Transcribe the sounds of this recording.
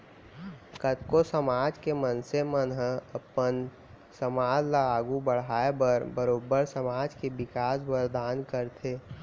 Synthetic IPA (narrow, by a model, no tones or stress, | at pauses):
kət̪kosəmaːd͡ʒkemənsemənɦəəpən | səmaːd͡ʒlaːɡubəɽaːebəɾbəɾoːbəɾsəmaːd͡ʒkebɪkaːsbəɾd̪ʱaːnkəɾt̪ʰeː